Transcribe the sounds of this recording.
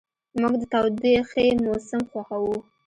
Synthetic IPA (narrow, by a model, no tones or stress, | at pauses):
muɡd̪ət̪awd̪ixemosɪmxwaxawu